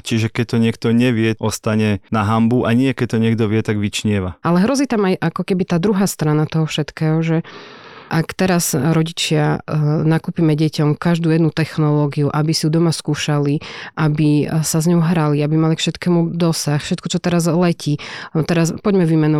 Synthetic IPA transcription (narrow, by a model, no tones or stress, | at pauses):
t͡ʃiʒɛkɛc̚t̪ɔɲɪɛk̚t̪ɔɲɛʋɪɛʔɔst̪aɲɛnaɦambuʔaɲɪɛkɛc̚t̪ɔɲɪɛɡ̚d̪ɔʋɪɛt̪aɡʋit͡ʃɲɪɛʋaalɛɦɾɔziːt̪amajʔakɔkɛbit̪aːd̪ɾuɦaːst̪ɾanat̪ɔɦɔfʃɛt̪kɛːɦɔʒɛʔakt̪ɛɾazɾɔɟit͡ʃɪanakuːpiːmɛɟɛcɔmkaʒd̪uːjɛd̪nut̪ɛxnɔlɔːɡiuʔabisiud̪ɔmaskuːʃaliʔabisazɲɔʊɦɾaliabimalikfʃɛt̪kɛːmud̪ɔsaxfʃɛt̪kɔt͡ʃɔt̪ɛɾazlɛcʰiːt̪ɛɾaspɔɟmɛʋimɛnɔ